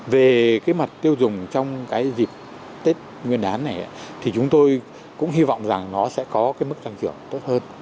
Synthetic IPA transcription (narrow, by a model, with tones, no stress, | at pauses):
ve˨˩kaː˨˦jma˨˩t̚t̪i˧əwzʊ˨˩ŋ͡mt͡ɕɔ˧wŋ͡mkaː˨˦jzi˨˩p̚ | t̪e˦˥t̚ | ŋwi˧ənʔaː˨˦nːa˨˩jʔa̰ː˨˦t̪ʰi˨˩t͡ɕʊ˨˦ŋ͡mt̪o˧j | kʊ̰˧˥ŋ͡mɦi˧va̰˧˨wŋ͡mza˨˩ŋnɔ˨˦sɛ̰˧˥kɔ˨˦kaː˨˦jmɨ˦˥k̚t̪a˧ŋt͡ɕɨ˧˩əŋt̪o˦˥t̚həː˧n